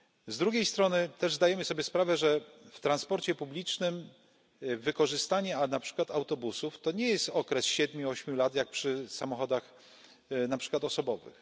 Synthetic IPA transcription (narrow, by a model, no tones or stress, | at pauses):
zd̪ɾuɡʲejst̪ɾɔnɘt̪ɛʐzd̪ajɛmɘsɔbʲjɛspɾavɛʐɛft̪ɾanspɔɾt͡ɕɛpublʲit͡ʂnɘm | vɘkɔʐɘst̪aɲɛanapʂɘ̥kwat̪awt̪ɔbusuft̪ɔɲɛjɛst̪ɔkɾɛsɕɛd̪mʲjuɔɕmʲjulat̪jak̚pʂɘsamɔxɔd̪ax | napʂɘ̥kwat̪ɔsɔbɔvɘ̰x